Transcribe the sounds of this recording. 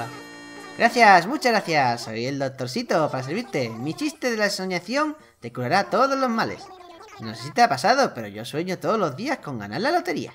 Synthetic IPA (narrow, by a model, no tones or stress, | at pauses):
ɡɾaθjasmut͡ʃaɣɾaθjaso̰jeld̪o̞k̚t̪o̞ɾsit̪o̞paɾas̬eɾβ̞iɾt̪e̞mit͡ʃist̪eðelaeso̞ɲaθjo̞ŋ | t̪e̞kuɾaɾat̪o̞ð̞o̞zlo̞zmalḛs | noθesit̪apasaðo̞pe̞ɾo̞̰ʝo̞swe̞ɲot̪oðozlozðiasko̞ŋɡa̰na̰ɾlalot̪e̞ɾḭa̰